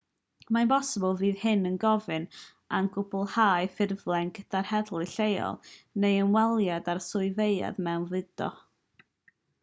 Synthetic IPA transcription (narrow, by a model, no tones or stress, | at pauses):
manbɔsəbəlˠviːð̥hɨnənɡɔvɨn | anɡʊbʊlˠhaːɨfɪrvlˠɛnɡədarhɛdlˠiɬejɔ̰lˠnejənwɛlˠjadarsʊɨveɨa̰ðmɛwnvɨd̥ɔ̰